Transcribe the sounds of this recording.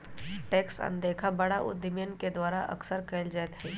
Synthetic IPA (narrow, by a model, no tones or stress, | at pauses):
ʈeːksɐ̰nd̪eːkʰabɐɽaʔʊ̰d̪əmjənked̪waːɾaʔɐ̰ksəɾkəld͡ʒat̪ɦɛː